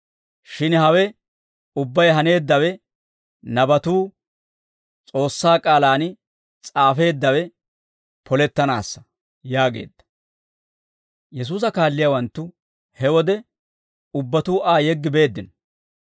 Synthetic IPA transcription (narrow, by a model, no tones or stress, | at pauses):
ʃɪnhɐwɛ | ʊbːɐjɦɐne̞ːd̪ːɐwɛ | nɐbɐt̪uː | t͡sʼo̞ːsːaːkʼaːlaːn | t͡sʼaːfe̞ːd̪ːɐwɛ | pʰɔlɛt̪ːɐna̰ːsːɐ̥ | jaːɡe̞̰ːd̪ːɐ̥ | jɛs̬uːs̬ɐkaːlːɪjawɐnt̪ːʊ | hɛwɔd̪ɛ | ʊbːɐt̪uːʔaːjɛɡːɪbe̞ːd̪ːɪnɔ̥